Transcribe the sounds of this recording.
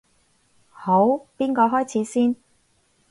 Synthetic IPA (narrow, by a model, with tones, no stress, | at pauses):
ho˨˥wpiː˥nkɔː˧ɦɔː˥jt͡sʰiː˨˥siː˥n